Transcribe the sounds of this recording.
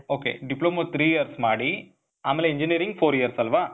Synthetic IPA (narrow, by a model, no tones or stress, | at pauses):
oːkḛːɖɪploːmot̪ɾiːjɐɾsmaːɽi | aːmeːleɛɲd͡ʒɪniɐɾɪiŋɡfoːɾijɐɾsɐlʋaː